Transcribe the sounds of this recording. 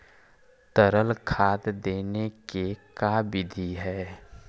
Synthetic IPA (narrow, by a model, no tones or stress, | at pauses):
t̪əɾəlkʰaːt̪d̪eːnekekabɪd̪ʱiɦɛː